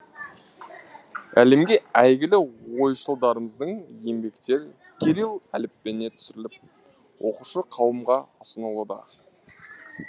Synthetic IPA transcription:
æle̞mɡʲe̞æjɡʲɪlɪwo̞jʃəlˠd̪ɑɾəməzd̪əɴje̞mbe̞kt̪e̞ɾ | kʲʰeɾilˠælɪpːe̞ne̞t̪ʰʏ̥sɪɾɪlɪp̚ | wʔo̞quʃəqʰɑwəmʁɑəsənəlˠud̪ɑ̰

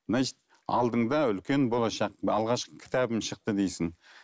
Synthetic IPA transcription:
naʒt̪ | ɑ̰lˠd̪əɴd̪ɑʏlkʲe̞nbo̞lˠɑʃɑqɑlˠʁɑʃqə̥kʲʰɪ̥t̪ʰɑbɪmʃəq̚t̪əd̪ejsɪŋ

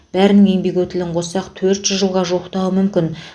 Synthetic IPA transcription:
b̥æɾɪnɪŋe̞ŋbe̞kʲwɵt̪ɪlɪɴqʰo̞sɑqt̪ʰɵɾt̪ʒ̥ʏzʒəlˠʁɑʒoqt̪ɑwəmʏmkʲɪn

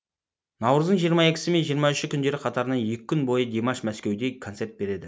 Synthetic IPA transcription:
nɑwɾəzd̪əɴʒijəɾmɑe̞kʲɪsɪme̞nʒijəɾmɑʏʃɪkʲʰʏnd̪e̞ɾɪqʰɑt̪ɑɾənɑnje̞kʲɪkʰʲːʏnbo̞jəd̪ʲe̞mɑʃmæskʲe̞wd̪e̞kʰot̪se̞ɾt̪̚be̞ɾe̞d̪ɪ

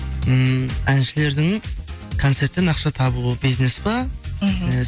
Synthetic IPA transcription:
əmænʃɪle̞ɾd̪ɪŋkʰo̞nt̪se̞ɾt̪ːenɑqʃɑt̪ʰɑbubijznesbɑ

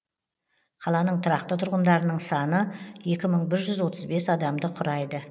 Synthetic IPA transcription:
qʰɑlˠɑnəɴt̪ʰʊɾɑqt̪ət̪ʰʊɾʁənd̪ɑɾənəɴsɑnəje̞kʲɪməɴbɪɾʒʏzwo̞t̪əzbe̞sɑd̪ɑmd̪əqʰʊɾɑjd̪ə

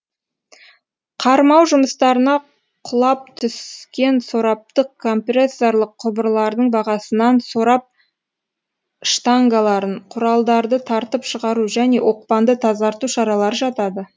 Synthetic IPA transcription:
qʰɑɾmɑwʒʊməst̪ɑɾənɑ | qʰʊlˠɑp̚t̪ʰʏskʲe̞nso̞ɾɑp̚t̪əqʰːo̞mpresːo̞ɾlˠəqʰːʊbəɾlˠɑɾd̪əɴbɑʁɑsənɑnso̞ɾɑp̚ | ʃt̪aŋɡalˠɑɾəɴqʰʊɾɑlˠd̪ɑɾd̪ət̪ʰɑɾt̪əpʃəʁɑɾuʒæne̞̰wʔo̞q̚pɑnd̪ət̪ʰɑzɑɾt̪uʃɑɾɑlˠɑɾəʒɑt̪ɑd̪ə

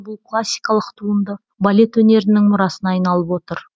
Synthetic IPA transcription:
bʊlˠkʰlˠasʲːijkɑlˠəqt̪ʰuənd̪ə | balʲe̞t̪wɵne̞ɾɪnɪŋmʊɾɑsənɑɑjnɑlˠəpwo̞t̪əɾ

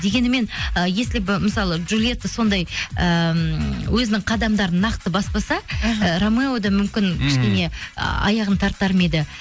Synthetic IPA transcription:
d̪e̞ɡʲe̞nɪme̞nəje̞slɪbməsɑlˠəʒulʲˠije̞t̪ːɪso̞nd̪ɑjə | wɵzɪnɪŋqʰɑd̪ɑmd̪ɑɾənɑqt̪əbɑspɑsɑɾomeod̪ɑmʏmkʲɪnkʲɪ̥ʃkʲe̞ne̞̰ɑ̰jɑʁənt̪ʰɑɾt̪ːɑɾmed̪ɪ

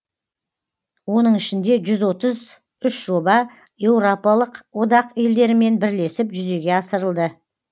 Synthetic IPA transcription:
wo̞nəɴɪʃɪnd̪e̞ʒʏzwo̞t̪əz | ʏʃʒo̞bɑ | je̞wɾo̞pɑlˠəqwo̞d̪ɑqe̞ld̪e̞ɾɪme̞nbɪɾle̞sɪpʒʏze̞ɡʲe̞ɑsəɾəlˠd̪ə

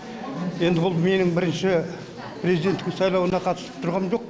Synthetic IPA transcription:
je̞nd̪ɪbʊlˠme̞nɪŋbɪɾɪnʃɪ | pʰɾʲe̞zijd̪e̞nt̪ːɪkʲsɑjlˠɑwənɑqʰɑt̪əsə̥p̚t̪ʰʊɾʁɑmʒo̞q̚

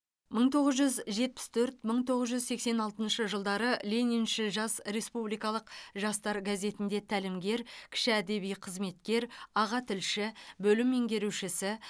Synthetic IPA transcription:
məɴt̪ʰo̞ʁəzʒʏzʒe̞t̪̚pɪ̥st̪ʰɵɾt̪məɴt̪ʰo̞ʁəzʒʏzse̞kse̞nɑlˠt̪ənʃəʒəlˠd̪ɑɾəlʲeninʃɪlʒɑsɾe̞spublijkɑlˠəqʒɑst̪ɑɾɡaze̞t̪ɪnd̪e̞t̪ʰælɪmɡʲe̞ɾkʲʰɪ̥ʃɪæd̪e̞bijqʰəzme̞t̪kʲe̞ɾɑʁɑt̪ʰɪlʃɪbɵlɪme̞ŋɡʲe̞ɾuwʃɪsɪ

